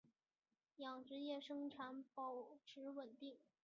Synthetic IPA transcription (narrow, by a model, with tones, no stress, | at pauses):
jɑ˨˩ŋʈ͡ʂɻ̩˧˥jɛ˥˩ʂɤ˥ŋʈ͡ʂʰa˧˥npɑ˨˩ʊʈ͡ʂʰɻ̩˧˥wə˨˩nt̪i˥˩ŋ